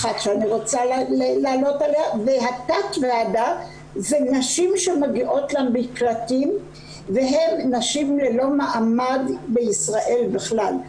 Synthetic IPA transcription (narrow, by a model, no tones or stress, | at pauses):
at̪ʃeaniʁo̞t͡sallelaːlo̞taleaveɦat̪atvead̪a | zenaʃimʃemaɡiʔo̞tlambiklatim | veɦe̞mnaʃimlelo̞maʔamadbeisʁaʔe̞lbeχlal